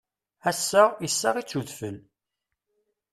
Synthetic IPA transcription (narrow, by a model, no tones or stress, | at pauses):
æsːəʁjəsːaʁit͡sːuðfəl